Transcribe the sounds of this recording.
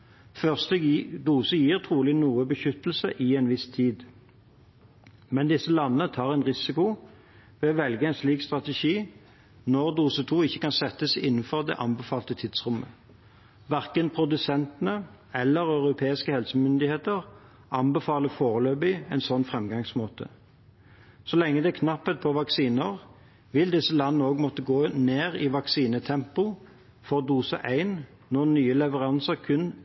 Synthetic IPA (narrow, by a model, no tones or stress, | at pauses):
fœʁst̪əd̪uːsəjiːʁt̪ʰʁuːlɪnuːəbəçʏt̪l̩səʔɪɛnʋɪst̪ʰiːd̪ | mɛnd̪ɪsːəlɑnːəət̪ʰɑːʁɛɪnʁɪsɪkʊ | ʋeːɔʋɛlɡəæɪnsliːkst̪ʁɑt̪ɛʃiː | nɔʁd̪uːsət̪ʰuːɪçːəkɑnsɛt̪ːəsɪnːn̩fɔʁd̪ɛ̰ʔɑnbəfɑːlt̪ət̪ʰɪd̪̥sʁʊmːə | ʋæʁkənpʰʁʊd̪ʉsɛnt̪ənə | ɛlːəʁœʉʁʊpʰeːɪskəhɛlsəmʏnd̪ɪheːt̪əʁ | ɑnbɛfɑːləfoːʁəløːbɪɛɪnsɔnːfʁɛmɡɑŋsmoːt̪ə̰ | sɔlɛŋːəd̪ɛkʰnɑpːət̪̚pʰɔʋɑksiːnəʁ | ʋɪld̪ɪsəlɑnːəoːɡmɔt̪ːəɡoːneːʁɪʋɑksiːnət̪ʰɛmpʊ | fɔʁd̪uːsə̰ʔæɪnː | ɔnyːəlɛʋəʁɑnsəʁkʰʉn